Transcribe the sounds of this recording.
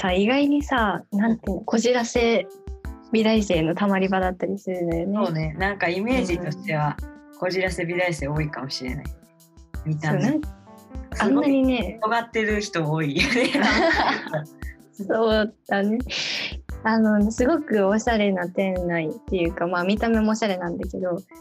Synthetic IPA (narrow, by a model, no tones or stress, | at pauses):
saiɡaiɲ̟isanãnt̪ɯ̃oko̞ʑiɾase̞ | bʲid̪aise̞ːno̞t̪amaɾʲibad̪at̪ːaɾʲisɨɾɯ̟nd̪ajo̞neone̞nãŋkaime̞ːʑit̪o̞ɕt̪e̞βako̞ʑiɾase̞bʲid̪aise̞ːo̞ːikamo̞ɕiɾe̞̰na̰i | mʲit̪ana | ãnːaɲine̞oɡat̪ːe̞ɾɯ̟çi̥t̪o̞oːione | so̞ːd̪̥ane̞ | ano̞nesɨɡo̞kɯ̟o̞ɕaɾe̞nat̪ẽ̞nːait̪ːe̞jɯ̟ːkamaːmʲit̪ame̞moːɕaɾe̞nãnd̪ake̞d̪o̞